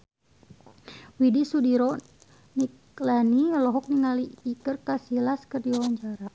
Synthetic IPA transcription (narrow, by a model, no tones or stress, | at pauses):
widisudiɾɔ | nik | lanilɔɦɔk̚niŋaliːkərkasilaskərdiwaɲd͡ʒaɾa